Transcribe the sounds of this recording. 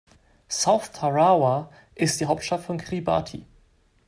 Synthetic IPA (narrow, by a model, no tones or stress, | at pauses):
saʊθtʰaʁawa | ʔɪstd̥iːɦaʊp̚tʃtaftfɔnkʁ̥iba̰tʰḭ